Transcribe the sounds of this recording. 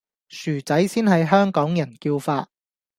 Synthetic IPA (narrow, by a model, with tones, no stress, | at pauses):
syː˨˩t͡sɐ˨˥jsiː˥nɦɐ˨jɦœː˥ŋkɔː˨˥ŋjɐ˨˩nkiː˧wfaː˧t̚